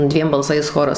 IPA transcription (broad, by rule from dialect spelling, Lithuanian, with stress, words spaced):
ˈdʲʋʲiɛm bɐlˠˈsɐɪs ˈxoːrɐs